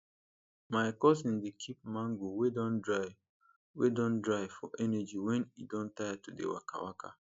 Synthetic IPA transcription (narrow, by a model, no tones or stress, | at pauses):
maɪkɔsĩndikʰip̚mãŋɡowedɔ̃ndɹa | wedɔ̃ndɹaɪfɔʔɛnɛd͡ʒiwɛ̃nḭdɔ̃ntajatudḛwa̰ka̰wa̰ka̰